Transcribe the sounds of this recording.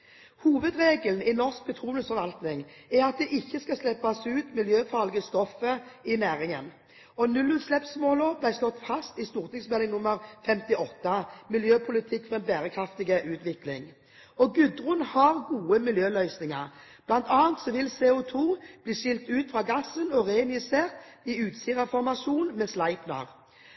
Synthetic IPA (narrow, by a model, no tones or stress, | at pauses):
huːʋəd̪ʁeːɡəln̩ɪnɔʁsk̚bət̪ʰʁuːənəsfɔʁʋɑlt̪nɪŋɛʁɑt̪̚d̪ɛʔɪçːəskɑslɛpːɑsʉːt̪mɪljøːfɑʁlɪɡəst̪ɔfːəɪnæːʁɪŋən | ɔnʉlːʉːt̪slɛpsmoːləʁblæɪslɔt̪fɑst̪ɪst̪uːʁt̪ɪŋsmɛlɪŋnʊmːəɾfɛmt̪ɪɔt̪ːəmɪljøːpʰʊlɪt̪ʰɪkːfɔʁɛnbæːɾəkʰɾɑft̪ɪɡəʔʉːt̪ʋɪklɪŋ | ɔɡʉd̪ɾʊnhɑʁɡuːəmɪljøːlœʏsnɪŋɑʁ | b̥lɑnt̪ʰɑːənt̪sɔʋɪlseːʊt̪ʰuːb̥liːʃɪlt̪ʉːt̪fʁɑːɡɑsːənɔʁeːnjɪseːʁt̪ | ɪʉːt̪siːʁɑfɔʁmɑʂuːnmɛːslɑɪpnɑ̰ʁ